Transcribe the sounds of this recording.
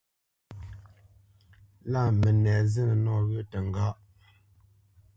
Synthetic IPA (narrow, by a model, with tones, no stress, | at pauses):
la˦˨mə˨nɛ˨zə˦nə˨nɔ˦˨ɣə˦tə˨ŋ˨ɡa˦ʔ